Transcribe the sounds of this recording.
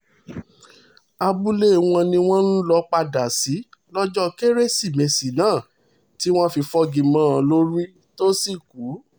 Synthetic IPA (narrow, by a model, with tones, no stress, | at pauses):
a˧bu˦le˦˨w̃ɔ̃˧nĩ˧w̃ɔ̃˦n̩˦lɔ˧˦k͡pa˧da˨si˨˦lɔ˦d͡ʒɔ˦ke˦ɾe˦si˦˨mẽ˨si˨nãː˦˨ | ti˦w̃ɔ̃˦fi˧fɔ˦ɡĩ˨mãː˦ã˧lo˦ɾi˦ | to˦si˦˨ku˨˦